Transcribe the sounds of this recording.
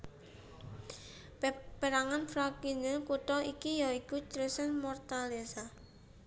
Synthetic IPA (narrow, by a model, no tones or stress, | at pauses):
b̥əɾaŋanfɾakinəkuʈɔikijaikut͡ʃɾəsanmɔrt̪alesa